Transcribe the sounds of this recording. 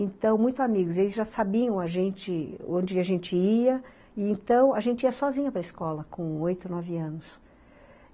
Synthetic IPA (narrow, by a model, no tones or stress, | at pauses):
ẽt̪ɐ̃w̃mũj̃t̪ʊamiɡʊzelɪzʒasabiɐ̃w̃aʒẽnt͡ʃɪõnd͡ʒɪɪaʒẽnt͡ʃɪiɐ | ɪẽnt̪ɐ̃w̃aʒẽnt͡ʃɪiɐsɔzĩɲɐpɾɐɪskɔlɐkõojt̪ʊnɔvɪɐ̃nʊs